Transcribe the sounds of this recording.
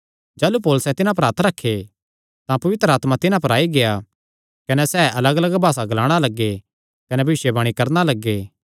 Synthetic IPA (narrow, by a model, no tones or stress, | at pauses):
d͡ʒaːlupoːlʊsɛt̪ɪnãp̬ɐɾaːt̪ʰɾɐkʰːe | t̪ãpɐʋɪt̪ɾəaːt̪mat̪ɪnãpɐɾaːiɡeja | kɐnɛsɛːɐləɡɐləɡbʱaːsaɡlaːɽ̃alɐɡːe | kɐnɛbʱɪʃjebɐɽ̃ikɐɾnalɐɡːeː